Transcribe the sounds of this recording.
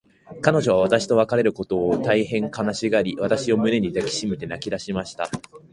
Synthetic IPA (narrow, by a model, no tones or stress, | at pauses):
kano̞ʑo̞β̞aβ̞at̪aɕi̥t̪o̞β̞akaɾe̞ɾɯ̟ko̞t̪o̞ːt̪aihẽ̞ŋkanaɕiɡaɾʲiβat̪aɕio̞mɯ̟ne̞ɲ̟id̪akʲi̥ɕimet̪e̞nakʲid̪aɕimaɕi̥t̪a̰